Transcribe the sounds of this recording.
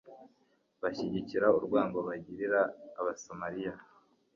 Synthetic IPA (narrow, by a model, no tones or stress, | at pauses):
βaçiɟiciɾauɾɡwaːŋɡo̞βaɟiɾiɾaːβasomaɾija